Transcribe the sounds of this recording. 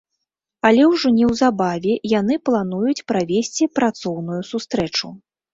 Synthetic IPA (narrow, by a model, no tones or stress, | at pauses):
alʲɛwʐɔnʲɛwzabavʲɛjanɨplˠan̪ujut͡sʲpɾavʲesʲt͡sʲipɾat̪sɔwnujusust̪ɾɛt͡ʂu